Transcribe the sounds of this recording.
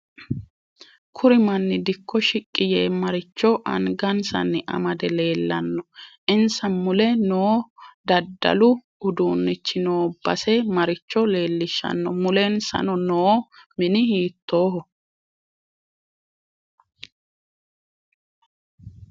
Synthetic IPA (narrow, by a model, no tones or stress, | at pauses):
kʰʊɾɪmɐnːɪd̪ɪkʰːɔʃɪkʼːɪjeːmɐɾɪt͡ʃːɔʔɐ̰nɡɐnsɐ̰nːɪʔɐ̰mɐd̪ɛle̞ːlːɐnːɔʔɪnsɐnmʊlɛnoːd̪ɐd̪ːɐ̰lʊ | ʊd̪uːnːɪt͡ʃːɪno̞ːbːɐ̰sɛmɐɾɪt͡ʃːɔle̞ːlːɪʃːɐ̰nːɔmʊlɛnsɐ̰nɔnoːmɪnɪhiːt̪ːo̞ːɦɔ